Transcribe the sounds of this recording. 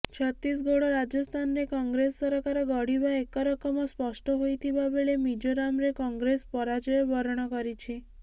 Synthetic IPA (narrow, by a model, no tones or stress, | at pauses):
t͡ʃʰɔt̪is̬ɡoɽɔɾad͡ʒɔst̪ʰanɾekɔŋɡɾesːɔɾɔkaɾɔɡɔɽibaekɔɾɔkɔmɔspɔsʈɔɦojt̪ʰibabeɭemid͡ʒoɾamɾekɔŋɡɾespɔɾad͡ʒɔjɔbʱɔɾɔɽ̃ɔkɔɾit͡ʃʰi